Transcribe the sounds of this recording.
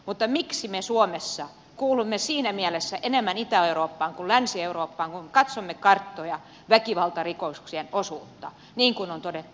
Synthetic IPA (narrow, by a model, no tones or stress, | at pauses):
mut̪ːɑmiksimesuomesːɑ | kuːlumːesiːnæmiælesːæʔenemːænit̪æeuroːpːɑːŋkullænsieuroːpːɑːŋkumkɑt̪somːekɑrt̪ːojɑ | ʋækiʋɑlt̪ɑrikosksienosuːt̪ːɑ | niːŋkunont̪odet̪ːu̥